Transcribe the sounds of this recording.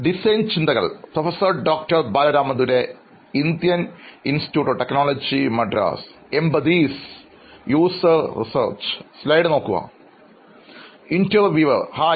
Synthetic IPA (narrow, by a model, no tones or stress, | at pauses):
ɖisent͡ɕind̪ɐɣɐ̰ɭprofɐsɐrɖoːk̚ʈɐrbaːlɐɾaːmɐðuɾe̞ | ind̪jɐninsi̥tjuːʈːoːʈeknoːlɐd͡ʑimɐɖɾa̰ːsembɐd̪iːs | juːsɐrrḭsɐ̰rt͡ɕslɐjɖɨno̞ːkːuɣɐ̰ | intɐrʋiʋɐrhaː